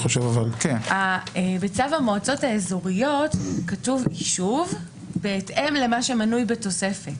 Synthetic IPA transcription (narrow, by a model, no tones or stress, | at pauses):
χoʃevavalkenaebet͡savamo̞at͡so̞taezoʁijo̞tkatuviʃuv | beːtʔe̞mle̞maʃe̞manujbe̞to̞se̞fet